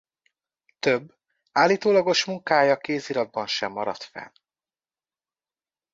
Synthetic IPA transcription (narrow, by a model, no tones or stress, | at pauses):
t̪øbː | aːlːiːt̪oːlɒɡo̞ʃmuŋkaːjɒkeːziːlɒd̪̚bɒnʃɛmːɒɾɒ̰t̪fɛ̰n